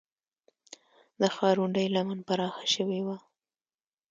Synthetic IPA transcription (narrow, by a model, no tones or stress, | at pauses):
d̪əxɑɾuɳɖəjlamanpaɾɑxḁʃəwewa